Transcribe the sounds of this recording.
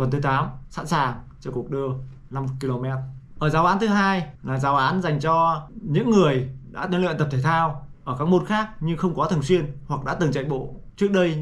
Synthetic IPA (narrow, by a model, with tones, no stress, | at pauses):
və˨˩nt̪ɨ˨˦t̪aː˨˦msa̰˧˥nsaː˨˩ŋt͡ɕɔ˧ku˨˩ək̚ɗɨ˧ə | na˧m˨˧kːi˧lo˧mɛ˦˥t̚ʔəː˧˩zaː˨˦wʔaː˨˦nt̪ɨ˨˦ɦaː˧jlaː˨˩zaː˨˦wʔaː˨˦nza˨˩jŋ̟t͡ɕɔ˧ɲɨ̰˧˥ŋːɨ˨˩əjɗa̰ː˧˥t̪ə˨˧˦nlwḭ˧˨t̪ə˨˩t̪ʰeː˧˩t̪ʰaː˧wʔəː˧˩kaː˦˥k̚mo˨˧˩t̚xaː˦˥k̚ɲɨ˧ŋxə˧wŋ͡mkɔ˨˦t̪ʰŋswi˧ənhwa˨˩k̚ɗa̰ː˧˥t̪ɨ˨˩ŋt͡ɕa̰˧˨jɓo̰˧˨t͡ɕɨ˦˥ək̚ɗə˧j